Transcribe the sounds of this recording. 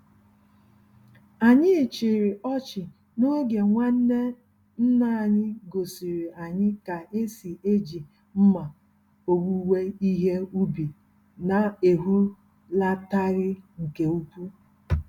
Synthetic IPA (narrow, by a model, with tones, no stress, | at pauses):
a˨ɲɪ˦˨t͡ʃi˨ɾɪ˨ʔɔ˦t͡ʃɪ˨ | no˦ɡe˨ŋʷa˦n̩˦ne˦ | n̩˦na˦˨ɲɪ˦ɡo˨si˨ɾi˨a˨ɲɪ˦ka˨ʔe˦si˨ʔe˦d͡ʒi˨ | m̩˦ma˨ | o˦˨ɡu˦we˦i˦ɦe˦u˦bi˨ | na˨e˨ɦu˦ | la˦ta˦ɾɪ˦ŋ̩˨ke˨u˦kʷu˦